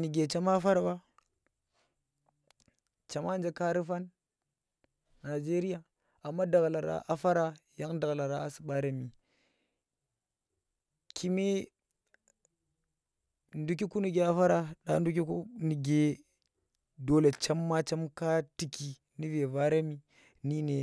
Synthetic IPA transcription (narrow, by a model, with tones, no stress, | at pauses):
ni˨ɡe˨t͡ʃa˦ma˦fa˦ɾa˨ba˦ | t͡ʃa˨ma˦nd͡ʒe˨ka˦ɾi˦fa˦n | a˨d͡ʒe˦ɾi˦a˨ | a˨mːa˦da˨ɣla˨ɾa̰˨ʔa˦fa˦ɾa˨ja˦ŋda˨ɣla˨ɾa˦a˨si̥˨ɓa˦ɾe˦mi˨ | kʰi˨me˦ | ndu˦ki˦ku˦ni˨ɡe˨a˦fa˦ɾa˨ɗa̰˦n˦du˦k̬i˦ku˦ni˨ɡe˨ | do˦le˨t͡ʃa˦mːa˦t͡ʃa˦mka˦ti˨ki˨ | ni˦ve˨va˦ɾe˦mi˨ | ni˦ne˨